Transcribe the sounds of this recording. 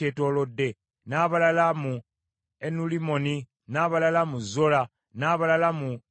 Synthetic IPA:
etoːlodːe̞ | naβalalamu | enulimo̞ni | naβalalamuzola | naβalalamu

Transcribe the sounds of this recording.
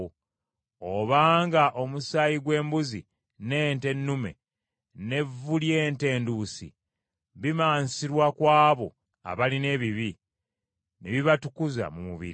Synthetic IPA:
oβaːŋɡaʔo̞musajiɡwe̞ːmbuzi | ne̞ːnte̞nːume̞̰ | ne̞vːulje̞ːnte̞ːndusḭ | βimaːnsiɾwakwaːβo̞ | a̰βaline̞ːβiβi | neβiβatukuza̰mumuβḭɾi

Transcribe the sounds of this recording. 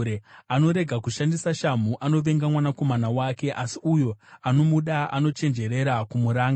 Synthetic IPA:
ɾeano̞ɾe̞ɡʱakuʃandisaʃam̤uʔano̞ʋe̞ŋɡamwanako̞manawake̞ʔasiujo̞ano̞muɗaa̰no̞t͡ʃe̞nd͡ʒe̞ɾe̞ɾakumuɾaːŋɡa

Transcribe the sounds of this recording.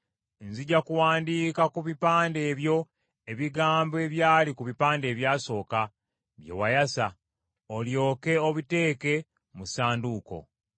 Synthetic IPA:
nziɟakuwaːndiːkakuβipaːnde̞ːβjo̞ | eβiɡaːmboe̞βjaːlikuβipaːnde̞ːβjaːso̞ːka | βjḛwajasa | oljo̞ːke̞oβite̞ːke̞ | musaːnduːko̞̰

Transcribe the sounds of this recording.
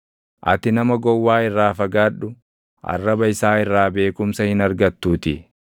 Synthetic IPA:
ʔɐ̰t̪ɪnɐmɐɡɔwːaːɪrːaːfɐɡaːᶑʊ | ʔɐ̰rːɐbɐɪsaːɪrːaːbe̞ːkʊmsɐhɪnɐɾɡɐt̪ːuːt̪ɪ

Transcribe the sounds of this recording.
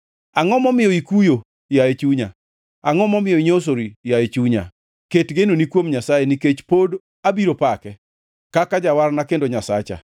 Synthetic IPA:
aŋɔmɔmɪjɔikujo | jaet͡ʃuɲa̰ | aŋɔmɔmɪjɔiɲos̬oɾijaet͡ʃuɲa̰ | ketɡenonikwomɲasajeniket͡ʃpod | abiɾopakɛ | kakad͡ʒawaɾnakendoɲasat͡ʃa̰

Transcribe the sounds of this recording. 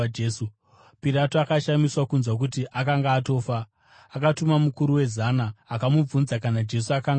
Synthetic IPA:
eːsu | piɾatoakaʃamiswakunzwak̬utiʔakaŋɡaːto̞ːfaː | katumamukuɾuwe̞zanaːkamub͡vunzakanad͡ʒe̞s̬uakaŋɡ

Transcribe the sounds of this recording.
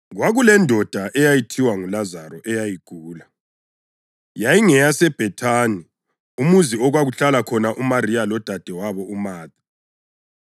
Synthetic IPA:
ɣwaɣulɛndʱɔd̥ʱaʔɛjajitʰiwaŋulazarɔʔɛjajiɡ̥ʱuːla | jajiŋɛjasɛb̥ʱɛtʰaːni | umuziɔɣwaɣuɬalakʰɔnaʔumarijalɔd̥ʱad̥ʱɛwaβɔʔumaːdi

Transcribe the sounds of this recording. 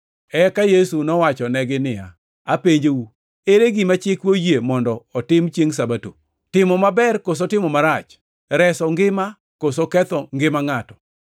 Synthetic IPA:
ɛkajesunɔwat͡ʃɔnɛɡɪnɪja̰ | apeɲd͡ʒewu | eɾeɡɪmat͡ʃɪkwojemɔndɔːtɪmt͡ʃjeŋs̬abato̰ | tɪmɔmabɛrkos̬otɪmɔmaɾat͡ʃ | ɾɛsɔŋɡɪma | kosokɛt̪ɔŋɡɪmaŋatɔ̥

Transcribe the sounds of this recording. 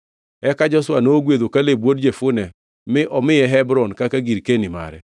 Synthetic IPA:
ɛkad͡ʒɔswanoɡwed̪okalebwod̚d͡ʒefʊnɛ | mɪʔɔmɪjɛɦɛbɾɔnkakaɡiɾkenima̰ɾɛ̰

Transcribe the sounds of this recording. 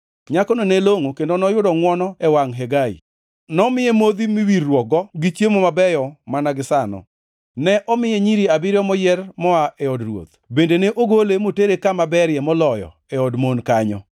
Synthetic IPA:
ɲakɔnoneloŋokendonɔjʊdɔŋwɔnɔɛwaŋɦeɡaḭ | nɔmɪemod̪imiwirːwɔɡɔɡit͡ʃjemomabɛjɔmanaɡɪsanɔ̰ | nɛʔɔmɪjɛɲiɾiabɪɾjɔmɔjɛrmɔaʔɛɔdrwo̰t̪̚ | bendeneʔoɡolemoteɾekamabɛɾjɛmɔlɔjɔ̰ | ɛɔdmonkaɲɔ̰

